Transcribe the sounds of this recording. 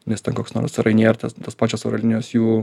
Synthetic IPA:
nʲɛst̪ʲɛnkoːksno̰ːɾsɾɐɪnʲeːrt̪ɐt̪ɐspɑːt͡ʃʲoːsoːɾɐlʲɪnʲjoːsjuː

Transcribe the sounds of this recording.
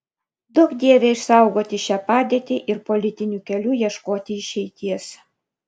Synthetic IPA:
d̪ʊkd̪ʲeːʋʲeːɪʃsɑˑʊɡoːt̪ʲɪʃʲæːpɑːd̪ʲeːt̪ʲiʔɪɾpolʲɪt̪ʲɪnʲuːkʲɛlʲuːjiɛʃkoːt̪ʲɪɪʃʲɛɪt̪ʲiɛs

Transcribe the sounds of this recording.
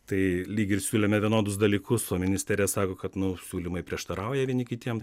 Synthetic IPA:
t̪ɐɪlʲiːɡʲɪɾsʲuːlʲeːmʲɛʋʲiɛnoːd̪ʊsd̪ɐlʲiːkʊsoːmʲɪnʲɪsʲt̪ʲæːɾʲɪjɛsɑːkoːkɐt̪nʊsʲuːlʲiːmɐɪpʲɾʲiɛʃt̪ɐɾɐʊjɛʋʲiɛnʲɪkʲɪt̪ʲiɛm

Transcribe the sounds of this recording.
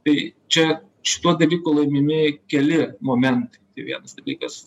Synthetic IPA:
t̪ɐɪt͡ʃʲɛ | ʃʲɪ̥t̪uɔd̪ɐlʲiːkuːlˠɐɪmʲɪmʲɪkʲɛlʲɪmoːmʲɛnt̪ɐɪt̪ɐɪʋʲḭɛnɐsd̪ɐlʲiːkɐs

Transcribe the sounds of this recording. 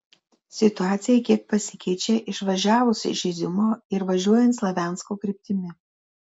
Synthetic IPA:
sʲɪt̪ʊɑːt̪sʲɪjɛkʲiɛk̚pɐsʲɪkʲɛɪt͡ʃʲeʔɪʃʋɐʒʲæːʋʊsʲɪ̰ʒʲɪzʲɪmoːɪɾʋɐʒʲuɔjɛnt̪slˠɐʋʲæːˑnskoːkɾʲɪp̚ʲt̪ʲɪmʲɪ

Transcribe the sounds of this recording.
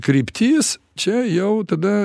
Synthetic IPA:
kɾʲiːpʲt̪ʲiːs | t͡ʃʲɛjɛʊt̪ɐd̪ɐ

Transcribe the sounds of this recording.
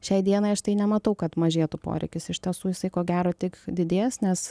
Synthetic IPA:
ʃʲɛɪd̪ʲiɛnɐɪɐʃt̪ɐɪnʲɛmɐt̪ɐʊkɐt̪mɐʒʲeːt̪ʊpo̰ːɾʲɛ̰ɪkʲɪsɪʃʲt̪ʲiɛsuːjɪsɐɪkoːɡʲæːɾoːt̪ʲɪkd̪ʲɪd̪ʲeːsnʲɛs

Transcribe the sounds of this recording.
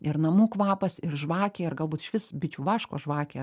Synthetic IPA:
ɪɾnɐmuːkʋɑːpɐsɪrʒʋɑːkʲeːɪrɡɐlˠbuːt̪ɪ̥ʃʲʋʲɪsbʲɪt͡ʃʲuːʋɑːʃkoːʒʋɑːkʲeː

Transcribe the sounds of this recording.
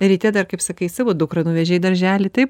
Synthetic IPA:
ɾʲit̪ʲɛd̪ɐrkɐɪpsɐkɐɪsɑːʋoːd̪ʊkɾɐnuːʋʲɛʒʲɛɪd̪ɐɾʲʒʲæːlʲɪt̪ɐɪp

